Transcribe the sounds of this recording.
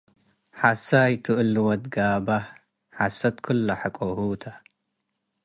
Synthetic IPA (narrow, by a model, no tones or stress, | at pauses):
ħasajt̪ʰɨʔɨlɨwɐd̪ɡaːba | ħasɐt̪kʰʊlːaħakʼohut̪ʰa